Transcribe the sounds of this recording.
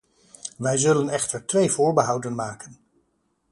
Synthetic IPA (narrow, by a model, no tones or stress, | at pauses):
ʋɛjzɵlənɛχtəɹtʋejvʊːɹbəɦɑwdənmaːkən